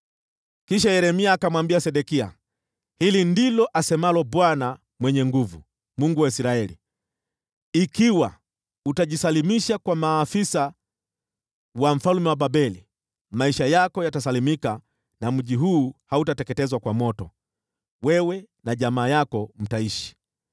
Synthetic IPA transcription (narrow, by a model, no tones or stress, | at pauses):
kiʃajɛɾɛmiaːkamwambiasɛɗɛkia̰ | hilindilɔʔasɛmalɔbwana | mwɛɲɛŋɡuvṵ | muŋɡuwaisɾaɛlḭ | ikiwa | utaʄisalimiʃakwamaːfisa | wam̩falumɛwaɓabɛli | maiʃajakɔjatasalimika | nam̩ʄiɦuːhautatɛkɛtɛzwakwamɔtɔ | wɛwɛ | naʄamaːjakɔm̩taiʃi̥